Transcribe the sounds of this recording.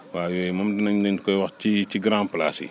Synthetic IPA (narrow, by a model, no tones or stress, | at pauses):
waːjɔjmɐmdinɐɲdɐɲkɔjwɐxciciɡɾãːmpla̰ːsḭ